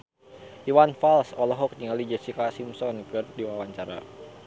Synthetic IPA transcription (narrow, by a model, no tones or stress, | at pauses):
ʔiwanfalsɔlɔɦɔk̚niŋalid͡ʒəsikasimsɔnkɨrdiwawaɲt͡ʃaɾa̰